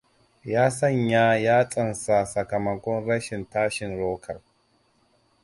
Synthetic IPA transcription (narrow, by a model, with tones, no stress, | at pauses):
jaː˦sɐ˦˨ɲjaː˦jaː˦t͡sʼɐ˨nsa˨sɐ˨kɐ˨mɐ˨kʷɔ˦nɾɐ˦ʃɪ˨ntaː˦ʃɪ˨nloː˦kʰɐ˨l